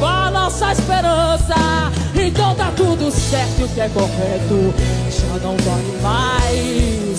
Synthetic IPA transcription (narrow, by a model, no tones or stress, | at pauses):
kãɐnɔsɐispeɾɐ̃sɐ | ẽt̪ɐ̃w̃t̪at̪ud̪ʊsɛɾt̪ʊʊkɪɛkohɛt̪ʊ | ʒanɐ̃w̃valɪmajs